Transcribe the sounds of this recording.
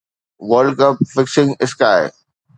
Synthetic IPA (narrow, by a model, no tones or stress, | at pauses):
ʋəɾlɖkɐpfɪksɪ̃ŋɪskaːɪ